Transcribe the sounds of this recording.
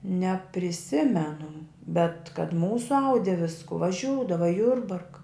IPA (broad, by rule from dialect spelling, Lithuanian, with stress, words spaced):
nʲɛpʲrʲɪˈsʲɪmʲɛnʊ bʲɛt kɐt ˈmuːsʊ ˈɐʊdʲɪ ˈʋʲɪskʊ ʋɐˈʒʲuːdɐʋɐ ɪ ˈjʊrbɐrkɐ